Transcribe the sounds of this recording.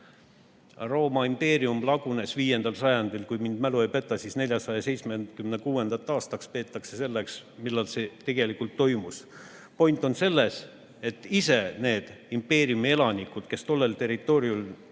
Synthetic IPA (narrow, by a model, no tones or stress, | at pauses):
ro̞ːmɑimpe̞ːɾiumlɑɡ̥une̞sviːje̞nd̪̥ɑlsɑjɑnd̪̥ilkujmind̪̥mæluejpe̞t̪ːˑɑsiːsne̞lʲjɑsɑjɑse̞jt̪smenkymnekuːe̞nd̪̥ɑt̪ːˑɑːst̪ɑkspe̞ːt̪ːˑɑkse̞se̞lːeksmilːɑlse̞t̪e̞ɡ̥e̞likult̪ːo̞jmus | po̞jnt̪ˑo̞nse̞lːe̞s | e̞t̪ːˑise̞ne̞ːd̪̥impːe̞ːɾiumie̞lɑnikud̪̥ke̞st̪o̞lːe̞lt̪e̞rit̪ːˑo̞ːɾiul